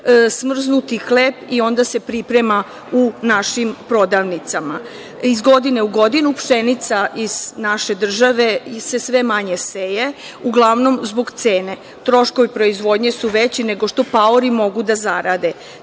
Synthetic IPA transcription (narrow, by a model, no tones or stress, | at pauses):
smr̩znut̪ixleːpio̞nd̪ase̞pɾipɾe̞ma | unaʃimpɾo̞d̪aʋnit̪sama | izɡo̞d̪ine̞uɡo̞d̪inupʃe̞nit̪saʔiz̥naʃe̞d̪r̩ʒaʋe̞se̞sʋe̞maɲe̞seje | uɡlˠaʋno̞mzbo̞ɡt̪seːne̞ | t̪ɾo̞ʃko̞ʋipɾo̞izʋo̞d̪ɲe̞suʋet͡ɕine̞ɡo̞ʃt̪o̞paoɾimo̞ɡud̪azaɾad̪e̞